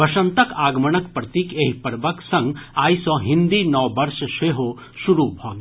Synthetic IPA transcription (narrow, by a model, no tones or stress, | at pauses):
bɐʃɐ̃nt̪əkaːɡməɳ̃əkpɾɐt̪iːkeɦipɐɾbəksɐ̃ŋɡaːisɔ̃ːɦɪ̃nd̪inɔːbɐɾʃʃeːɦo | ʃuɾubʱɔːɡ